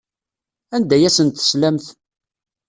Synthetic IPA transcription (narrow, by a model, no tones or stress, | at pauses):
ænd̪æjæsənt̪ə̥slæmθ